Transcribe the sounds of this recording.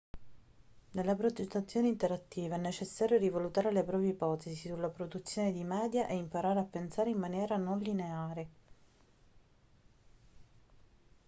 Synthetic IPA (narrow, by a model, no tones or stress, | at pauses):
nelːapɾod͡ʒ̪et̪ːat̪sːjoːneint̪eɾat̪ːiːvaɛnːet͡ʃesːaːɾjoɾivalut̪aːɾelepɾɔːpjieipɔːt̪esisulːapɾod̪ut̪sːjoːned̪imɛːd̪jaʔeimpaɾaːɾeapːensaːɾeimmanjɛːɾanonlineaːɾe